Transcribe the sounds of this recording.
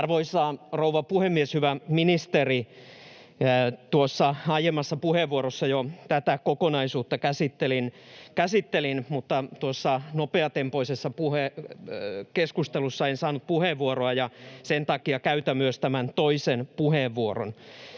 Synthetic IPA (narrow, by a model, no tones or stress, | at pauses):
rʋoisɑːrouʋɑpuhemːieshyʋæminist̪eri | t̪uosːɑɑjemːˑɑsːɑpuheʋːuoɾosːɑjot̪æt̪ækokonɑisuːt̪ːɑkæsit̪ːelin | kæsit̪ːelinmut̪ːɑt̪uosːɑnopeɑt̪empoisesːɑpuhe | keskust̪elusːɑensɑːnut̪̚puheʋʋuoroɑjɑsent̪ɑkiɑkæyt̪æmyøst̪æmænt̪oisenpuheʋːuoro̰n